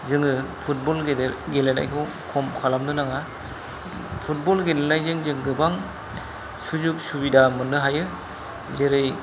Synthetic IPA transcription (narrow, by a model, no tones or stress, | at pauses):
zɯŋɯpʰut̚bɔlɡedɡelena̰jkʰɯ | kʰɔmkʰalamnɯnaŋa | pʰut̚bɔlɡenenajzɯŋzɯŋɡɯbaŋ | suzuk̚subidamɯnːɯɦajɯ | zeɾɯj